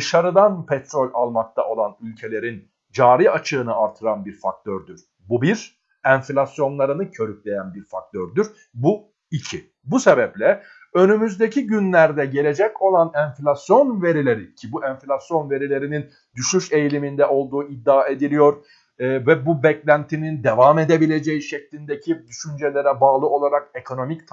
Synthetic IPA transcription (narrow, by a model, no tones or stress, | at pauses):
ɯʃaɾɯd̪anpʰɛt̪ʰɾo̞lʲalˠmak̚t̪ʰaʔo̞lˠanylʲcʰe̞lʲe̞ɾin | d͡ʒaːɾiat͡ʃʰɯːnɯaɾt̪ʰɯɾanbiɾfak̚t̪ʰøɾd̪yɾ̥ | bubiɾ | ænflʲasjo̞nlˠaɾɯnɯcʰø̞ɾyc̚lʲe̞jænbiɾfa̰k̚t̪ʰøɾd̪yɾ | bu | icʰi | buse̞bɛplʲɛ | ø̞nymyzd̪e̞cʰiɟynlʲæɾd̪ɛɟe̞lʲe̞d͡ʒɛco̞lˠanɛnflʲasjo̞nve̞ɾilʲe̞ɾicʰibuʔɛnflʲasjo̞nve̞ɾilʲe̞ɾinin | d̪yʃyʃe̞jlʲimind̪ɛʔo̞lˠd̪uːid̪ːaːe̞d̪ilʲijo̞ɾː | vɛbubɛclʲænt̪ʰinind̪evaːme̞d̪e̞bilʲe̞d͡ʒejiʃɛclʲind̪e̞cʰid̪yʃynd͡ʒelʲe̞ɾɛbaːlˠɯo̞lˠaɾake̞kʰo̞no̞mict̪ʰ